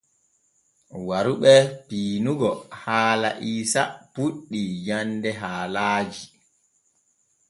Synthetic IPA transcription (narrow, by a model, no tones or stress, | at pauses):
waɾuɓɛpiːnuɡɔhaːla̰ʔiːsapuɗːijandɛɦaːlaːd͡ʒi